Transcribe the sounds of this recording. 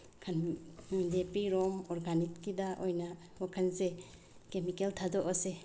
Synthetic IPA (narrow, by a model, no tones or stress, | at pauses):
kʰanidepiɾɔmɔɾɡanik̚kidaʔojna | wakʰanse | kemikeltʰadɔʔɔse